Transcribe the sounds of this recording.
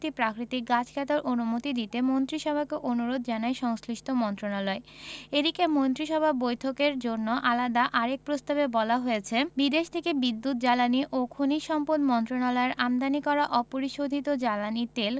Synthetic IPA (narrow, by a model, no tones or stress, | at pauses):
t̪ipɾakɾit̪ik̚ɡat͡ɕkʰɛt̪oɾʔonumot̪id̪it̪emont̪ɾiʃɔbʱakeʔonuɾod̪ʱd͡ʑanaeʃɔŋsliʃʈʰomɔnt̪ɾonalɔeed̪ikemont̪ɾiʃɔbʱabojt̪ʰokeɾd͡ʑonːoʔalad̪aʔaɾek̚pɾost̪abebɔlaɦojet͡ɕʰebid̪eʃt̪ʰekebid̪ːut̪̚d͡ʑalaniʔokʰuniʃɔmponmɔnt̪ɾonalɔeɾʔamd̪anikɔɾaʔɔpoɾiʃod̪ʱit̪od͡ʑalanit̪el